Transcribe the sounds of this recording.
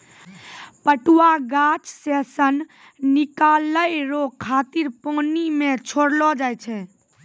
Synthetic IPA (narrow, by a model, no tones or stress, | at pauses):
pəʈuwaɡat͡ʃsesən | nikaləjɾokʰːat̪iɾponimet͡ʃʰoɽlɔd͡ʒajt͡ʃʰɛ